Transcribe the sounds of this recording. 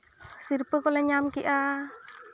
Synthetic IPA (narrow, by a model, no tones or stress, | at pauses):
sirpəkolɛɲamkiʔa